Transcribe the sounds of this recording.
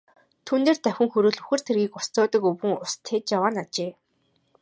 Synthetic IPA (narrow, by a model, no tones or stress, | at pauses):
t̪ʰuːneːrt̪æwʲɘ̆ŋxɵɾuːɮuxɘ̆r̥t̪ʰerɣiːkʊst͡sʊːt̪ə̆kɵwɣɘ̆ŋʊst̪ʰːet͡ɕjawaːnat͡ɕeː